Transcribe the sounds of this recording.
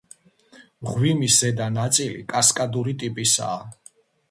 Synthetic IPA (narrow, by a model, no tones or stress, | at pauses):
mʁwimisɛd̪anat̪sʼilḭkʼaskʼad̪uɾit̪ʼipʼisa̰ː